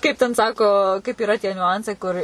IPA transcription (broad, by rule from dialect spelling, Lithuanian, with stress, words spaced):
ˈkɐɪp tʲɛn ˈsɑːkoː kɐɪp iːˈrɐ tʲiɛ nʲʊˈɐnt͡sɐɪ ˈkʊr